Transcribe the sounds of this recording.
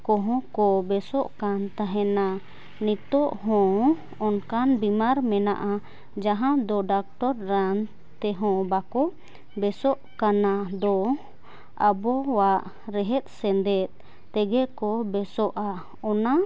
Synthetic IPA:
kɔɦɔ̃kɔbɛsɔʔkant̪aɦɛna | nit̪ɔʔɦɔ̃ | ɔnkanbimaɾmɛna̰ʔa | d͡ʒaɦãd̪ɔɖak̚ʈɔɾːan | t̪ɛɦɔ̃bakɔ | bɛsɔʔkanad̪ɔ | abɔwaʔ | ɾɛɦɛt̪̚ˀsɛnd̪ɛt̪̚ | t̪ɛɡɛʔkɔbɛsɔʔa | ɔna

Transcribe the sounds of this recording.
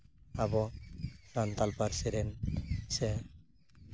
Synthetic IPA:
abɔɾant̪alpaɾsiɾɛnsɛ

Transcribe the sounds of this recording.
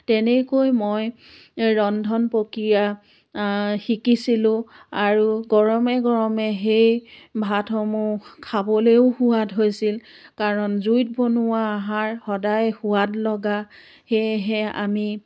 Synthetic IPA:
tɛnɛkojmoj | ɹɔndʱɔnpokɹija | xikisilʊ̃aɹuɡɔɹɔmɛɡɔɹɔmɛɦejbʱatʰɔmʊkʰabɔleʊhʊwatɦojsil | kaɹɔnzujt̚bonʊwaːɦaɹxɔdajhʊwatlɔɡa | xejɦɛa̰mi

